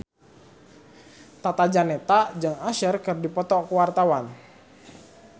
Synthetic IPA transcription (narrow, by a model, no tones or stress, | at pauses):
t̪at̪ad͡ʒanɛt̪ad͡ʒɨŋaʃərkɨrdipɔt̪ɔkəwart̪awan